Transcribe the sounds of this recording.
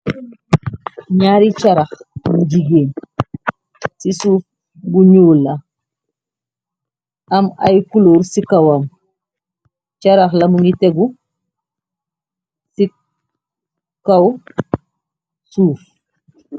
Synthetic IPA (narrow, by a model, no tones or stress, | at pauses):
ɲaːɾit͡ʃaɾaxmuɟiɡeːn | sisuːf | buɲuːla | ɐma̰jkuloːɾsikawan | t͡ʃaɾaxlɐmuŋiteɡu | si | kaw | suːf